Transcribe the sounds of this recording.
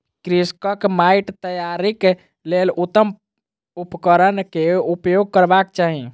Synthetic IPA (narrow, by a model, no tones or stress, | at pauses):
kɾiskəkmaiʈt̪əjaɾik | lelʔut̪ːəm | upkəɾənkeupjoɡ̚kəɾbakt͡ʃaɦi